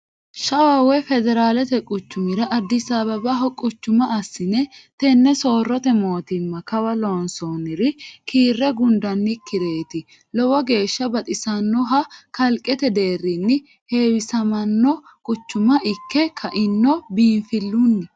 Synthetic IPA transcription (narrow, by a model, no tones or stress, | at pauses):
ʃɐwaːwɔjfɛd̪ɛɾaːlɛt̪ɛkʼʊt͡ʃːʊmɪɾɐʔɐd̪ːɪsabɐbɐɦɔkʼʊt͡ʃːʊmɐɐsːɪnɛt̪ɛnːɛso̞ːrːɔt̪ɛmo̞ːt̪ɪmːɐkɐwɐloːnsoːnɪɾɪkʰiːrːɛɡʊnd̪ɐnːɪkːɪɾe̞ːt̪ɪ | lɔwɔɡe̞ːʃːɐbɐt̪ʼɪsɐnːɔɦɐkɐlkʼːɛt̪ɛd̪e̞ːrːɪnːɪ | he̞ːwɪsɐmɐnːɔ | kʼʊt͡ʃːʊmɐʔɪkːɛkʰɐʔɪnːɔbiːnfɪlːunːɪ